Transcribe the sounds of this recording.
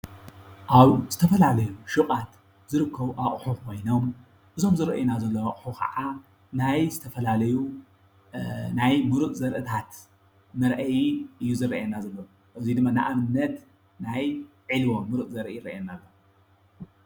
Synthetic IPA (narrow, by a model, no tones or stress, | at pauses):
ʔaβzɨt̪ʰɐfɐlalɐjuʃuχʼat̪ | zɨɾɨkːɐβuʔaχʼħukʰo̞jno̞m | ʔɨzo̞mzɨɾɐ̰ʔjnazɐlːɐwaχʼħukʰɐ̰ʕa | najzɨt̪ʰɐfɐlalɐju | najmɨɾuʔzɐɾʔɨt̪ʰat̪ | mɐɾʔɐjinʔɨjːuzɨrɐʔenːazɐlːɐw | ʔɨzid̪ɨmːana̰ʔaβɨnːɐt̪ | naj | ʕɨlwomːɨɾuʔzɐɾjiɾɐ̰ʔenːalːo